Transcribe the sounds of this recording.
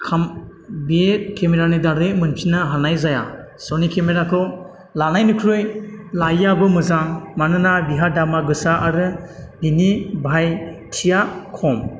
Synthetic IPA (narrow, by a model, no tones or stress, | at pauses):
kʰambiet̚kʰemeɾanɯdaɾɯjmɯnpʰinɯɦanajzaja | sɔnikʰemeɾakʰɯw | lanajnɯkʰɾɯjlajabɯmɯzaŋmanɯnabiɦadamaɡɯsaʔaɾɯbinibʱajtʰijakʰɔm